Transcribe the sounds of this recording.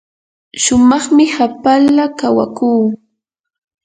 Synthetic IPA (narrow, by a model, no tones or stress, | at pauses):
ʃʊmɑχmɪhapalakawa̰kuː